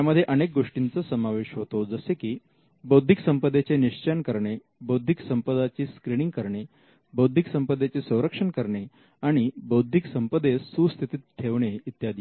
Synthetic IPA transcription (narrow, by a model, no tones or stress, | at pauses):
t̪aməd̪ʱːjeʔənek̚ɡoʂʈint͡səsəmaʋeɕɦot̪od͡zəsekiː | bəwd̪ʱiksəmpəd̪ːet͡ɕeniʂt͡ɕənkəɾɳe | bəwd̪ʱiksəmpəd̪at͡ɕiːskɾiniŋɡkəɾɳe | bəwd̪ʱiksəmpəd̪ːet͡sesə̃w̃ɾəkʂəɳkəɾɳe | aɽ̃ibəwd̪ʱiksəmpəd̪ʱesust̪ʰit̪iːt̪t̪ʰːeʋɳeit̪jad̪i